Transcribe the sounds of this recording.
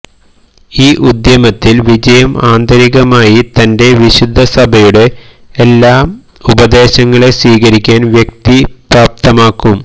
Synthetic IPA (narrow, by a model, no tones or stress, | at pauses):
iːʔud̪jɐmɐt̪ːilʋid͡ʑɐjɐmaːnd̪ɐɾiɣɐmaːjit̪ɐnde̞ʋiɕud̪ʱːɐsɐbʱɐjuɽe̞ː | lːaːm | ubɐd̪e̞ːɕɐŋːɐɭe̞siːɣɐɾikʲːaːnʋjek̚t̪ipraːp̚t̪ɐmaːkːum